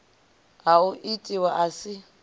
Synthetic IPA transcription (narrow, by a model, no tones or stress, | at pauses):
aʊʔitʼiwaʔasɪ